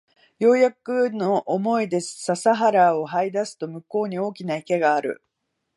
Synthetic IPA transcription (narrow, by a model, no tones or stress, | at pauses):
jo̞ːjakɯno̞ʔːmo̞id̪e̞sɨ̥sasaɦaɾao̞haid̪asɨ̥t̪o̞mɯ̟ko̞ːɲ̟io̞ːkʲinaike̞ɡaːɾɯ̟̰